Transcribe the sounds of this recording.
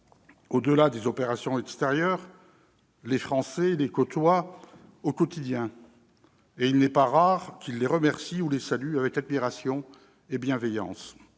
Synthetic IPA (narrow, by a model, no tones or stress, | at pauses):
od̪əlad̪ezɔpeʁasjɔ̃ɛkst̪eʁjœʁ | lefχɑ̃sɛlekɔt̪wa | okɔt̪id̪jɛ̃ | eilnɛpaʁaʁkʲilːeʁəmɛʁsiulesalyavɛkad̪̚miʁasjɔ̃ | ebjɛ̃vɛjɑ̰̃s